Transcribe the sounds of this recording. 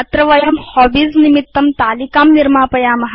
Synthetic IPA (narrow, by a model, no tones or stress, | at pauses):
t̪ɾɐʋɐjɐmhɔːbiznimit̪ːɐmt̪aːlikaːmniɾmaːpɐjaːmɐɦ